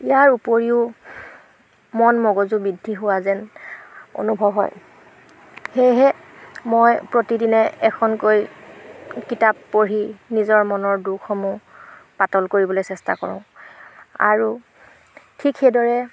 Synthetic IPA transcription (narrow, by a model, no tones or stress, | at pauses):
ijaɹupoɹiʊ | mɔnmɔɡɔzubidʱːiɦʊwazɛn | o̰nubʱɔbɦɔ̰j | hejɦɛ | mojpɹotidinɛɛkʰɔnkoj | kitapːoɹinizɔɹmɔnɔɹdukʰɔmupatɔlkoɹibɔlojsɛsta̰kɔ̰ɹʊ̃ | a̰ɹu | tʰikxejdɔɹɛ